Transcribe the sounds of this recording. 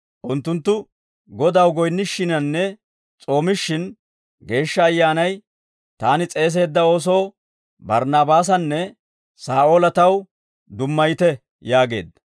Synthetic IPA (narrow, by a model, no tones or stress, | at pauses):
ʔʊnt̪ːʊnt̪ːʊ | ɡɔd̪ɐwɡɔjnːɪʃːɪnɐnːɛ | t͡sʼo̞ːmɪʃːɪn | ɡe̞ːʃːɐːjːaːnɐj | t̪aːnɪt͡sʼe̞ːs̬e̞ːd̪ːɐo̞ːs̬oː | bɐɾnaːbaːs̬ɐnːɛ | saːʔo̞ːlɐt̪ɐw | d̪ʊmːɐjt̪ɛ | jaːɡe̞̰ːd̪ɐ